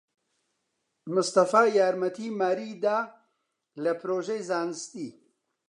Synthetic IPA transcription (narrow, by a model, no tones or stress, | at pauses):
mʊst̪ɐfaːjaːɾmɐt̪ʰimaːɾid̪a | lɐpɾoʒejzaːnst̪i